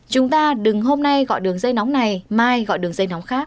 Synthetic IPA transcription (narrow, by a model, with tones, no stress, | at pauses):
t͡ɕʊ˨˦ŋ͡mt̪aː˧ɗɨ˨˩ŋɦo˧mna˧jɣɔ̰˧˨jɗɨ˨˩əŋzə˧jnɔ˨˦wŋ͡mna˨˩jmaː˧jɣɔ̰˧˨jɗɨ˨˩əŋzə˧jn˨˦wŋ͡mxaː˦˥k̚